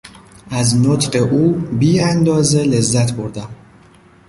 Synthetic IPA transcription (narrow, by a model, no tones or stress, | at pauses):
æznot̪ʰɢe̞ʔuːbiːænd̪ɒːze̞le̞zːæt̪boɾd̪æm